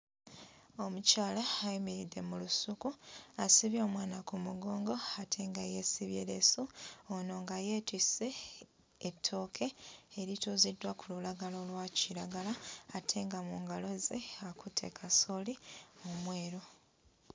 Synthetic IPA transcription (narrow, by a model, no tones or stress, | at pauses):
o̞mucaːlaːjimiɾidːe̞mulusukuasiβjo̞ːmwaːnakumuɡo̞ːŋɡo̞atʰe̞ːŋɡaje̞ːsiβjḛːlḛsuono̞ːŋɡaje̞twiseː | tʰːo̞ːkʰe̞ːɾituzidːwakululaɡalolwaciɾaɡalaːtʰe̞ːŋɡamuŋɡalo̞zeakutʰe̞̰kʰaso̞liomwe̞ːɾo